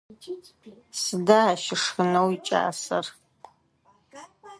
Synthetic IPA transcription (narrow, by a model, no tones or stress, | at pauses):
sɨdaaʃɪʂxɨnɐwit͡ʃʼa̰ːsɐr